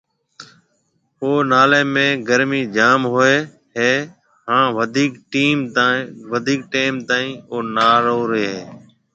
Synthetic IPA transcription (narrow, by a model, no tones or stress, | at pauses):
oːnaːleːmẽːɡəɾmiːd͡ʒaːmɦoːeː | ɦeː | hãːʋəd̪ʱiːkʈiːmʋəd̪ʱiːk̚ʈeːmt̪aːĩːoːnaːɾoːɾeːɦeː